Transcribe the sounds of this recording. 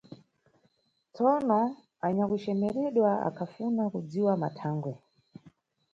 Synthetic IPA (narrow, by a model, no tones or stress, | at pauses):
t͡sɔnɔ | aɲakut͡ʃɛmɛɾɛɗwaa̰kʰafunakud͡ziwama̰tʰaːŋɡwɛ